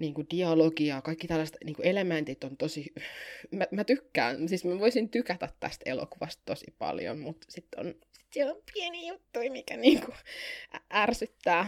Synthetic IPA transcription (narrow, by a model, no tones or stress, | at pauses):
niːŋkudiɑloɡiɑkɑikːit̪ælːæset̪niːŋkuelemænt̪it̪ːont̪osi | mæmæt̪ykːæ̰ːnsismæʋoisint̪ykæt̪æt̪tæ̰st̪ḛlo̰kuʋɑst̪tosḭpɑ̰ljo̰mmut̪sit̪ːo̰n | si̥t̪sielompʰieniːjut̪ːuimikæniːŋkuæærsyt̪ːæː